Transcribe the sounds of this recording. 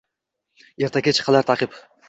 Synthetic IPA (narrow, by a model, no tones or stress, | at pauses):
eɾt̪ʰakʲat͡ʃʰɨ̥qʰːɑlˠaɾt̪ʰaqɨp